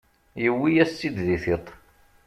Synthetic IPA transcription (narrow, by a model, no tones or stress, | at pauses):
jəwːijæstːid̪ðiθit̪ˤ